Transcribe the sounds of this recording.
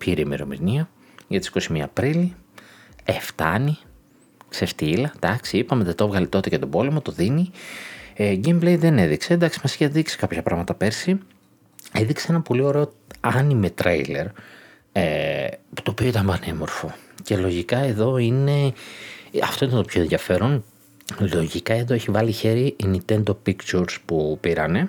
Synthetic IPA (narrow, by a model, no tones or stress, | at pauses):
piɾiimeɾo̞̰mḭniɐ | ʝɐt̪isi̥ko̞simiɐ̰ːpɾili | eft̪ɐ̰ni | ksest̪iilɐd̪̥ɐksiipɐmet̪et̪ovɣɐlit̪o̞t̪ecet̪o̞bo̞lemo̞t̪o̞ðini | eɡemblejðe̞ne̞ðikse̞nd̪ɐksi̥mɐsi̥cɐððikse̥kɐpçɐpɾɐ̰ɣmɐt̪ɐpe̞ɾsi | e̞ðikseenɐpo̞lio̞ɾe̞o̞ | ɐnimet̪ɾḛile̞̰ɾ | epu̥t̪o̞ːpio̞it̪ɐmbɐnemo̞ɾfo̞ce̞lo̞ʝikɐe̞ðo̞ine̞ | ɐft̪o̞it̪nt̪opʰço̞enðjɐfe̞ɾo̞n | lo̞ʝikɐe̞ðoeçivɐliçe̞ɾiʔinit̪e̞nd̪opikt͡ʃuɾspupiɾɐ̰ne̞